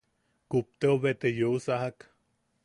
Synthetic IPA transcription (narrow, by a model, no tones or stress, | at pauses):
kup̚t̪eoβet̪ejousahak